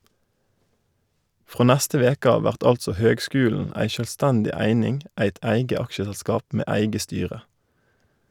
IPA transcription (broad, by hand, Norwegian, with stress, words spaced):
ˈfʁoː ˈnæstə ˈʋeːk ˈɑː ˈʋæʁt ˈɑltsɔ ˈhøːɡˌskʉːln̩ ˈæɪ ˈʃøːlˌstɛndɪ ˈæɪnɪŋ ˈæɪt ˈæɪɡə ˈɑkʃəsɛlˌskɑːp ˈmeː ˈæɪɡə ˈstyːʁə